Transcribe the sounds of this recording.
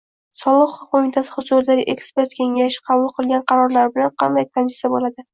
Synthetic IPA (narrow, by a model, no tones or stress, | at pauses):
sɒlˠɨqχʊqʰomɪt̪ʰasɪ̥hʊzuɾɪd̪aɡʲɪʔekspe̞ɾt̪kʲʰe̞ŋʲaʃɪ̥qʰɑbʊlˠqʰɨlˠɡʲanqʰɑɾɒɾlaɾɪbɪlanqʰɑnd̪ajk̪ʰanɪsabolad̪ɪ